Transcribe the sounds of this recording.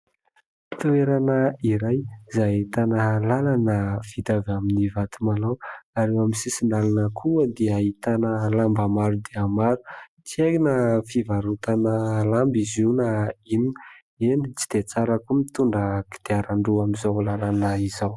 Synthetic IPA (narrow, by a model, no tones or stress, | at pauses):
t̪ueɾanəiɾajzait̪anəlalanəv̥it̪avaminivat̪ʰumalawaɾewamisisinalanəkʰuəd̪eait̪anəlambamaɾud̪eamaɾu | t͡siekinəfivaɾut̪anəlambizinaini | enit͡si̥d̪̥et͡saɾakumit̪uɳɖ͡ʐəki̥d̪̥eaɾaɳɖ͡ʐuamizawlalanəizaw